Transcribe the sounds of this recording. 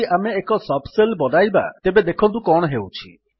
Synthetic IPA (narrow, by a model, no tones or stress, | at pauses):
iʔameːkɔsɔbselbɔd̪ajba̰t̪ebed̪ekʰɔ̃nt̪ukɔɽ̃ɦewt͡ʃʰḭ